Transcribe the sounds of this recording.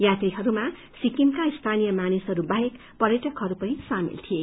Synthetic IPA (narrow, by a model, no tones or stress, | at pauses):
jat̪riɦʌɾuma | sikimkaist̪ʰanijʌmanisɦʌɾubaɦek | pʌɾjʌʈʌkɦʌɾupʌnisamḭlt̪ʰije